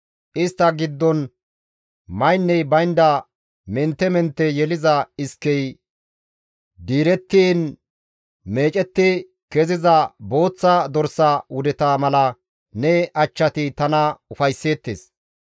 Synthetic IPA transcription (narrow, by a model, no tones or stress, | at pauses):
ʔɪst̪ːɐɡɪd̪ːɔn | mɐjnːɛjbɐjnd̪ɐ | mɛnt̪ːɛmɛnt̪ːɛjɛlɪzɐɪskːɛj | d̪iːɾɛt̪ːiːn | me̞ːt͡ʃʼɛt̪ːɪ | kɛzɪzɐbo̞ːt͡sːɐd̪ɔɾsɐwʊd̪ɛt̪amɐlɐ | nɛɐt͡ʃːɐt̪ɪt̪ɐnɐʊfɐjsːe̞ːt̪ːḛːs